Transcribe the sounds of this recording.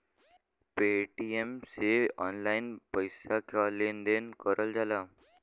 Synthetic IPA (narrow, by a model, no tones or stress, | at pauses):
peʈiemseɔːnlaɪnpəjsakalend̪enkəɾəld͡ʒala